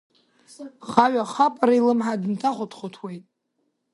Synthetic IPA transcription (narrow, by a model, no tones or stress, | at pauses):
χaɥaχapʼaɾailɨmħadɨntʰaχʷʊtʰχotʰwe̞jtʼ